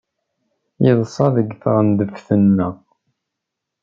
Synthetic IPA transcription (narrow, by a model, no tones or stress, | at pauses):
jɪðˤsˤɑðəɡθəʁənd̪əfθənːəʁ